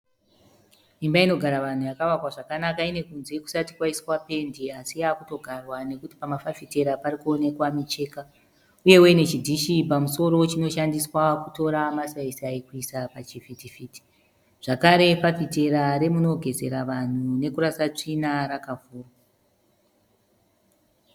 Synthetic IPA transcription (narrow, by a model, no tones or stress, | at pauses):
imbaino̞ɡʱaɾaʋan̤ujakaʋakwaʐakanakaine̞kunze̞ku̥satikwaiswape̞ndiasiakuto̞ɡʱarwane̞kuti̥pamafafite̞ɾaparikuone̞kwamit͡ʃe̞ːka | uje̞we̞ne̞t͡ʃidʱiʃipamuso̞ɾo̞t͡ʃino̞ʃandiswakuto̞ɾamasaisaikuisapat͡ʃifitifiti̥ | ʐ̥akaɾe̞pafite̞ɾaɾe̞muno̞ɡʱe̞ze̞ɾaʋan̤une̞kuɾasat͡ʂinaɾakavuːrwa